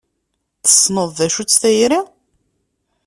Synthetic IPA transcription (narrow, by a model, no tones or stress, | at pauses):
θə̥sˤnəðˤðæʃut͡sːθæjɾi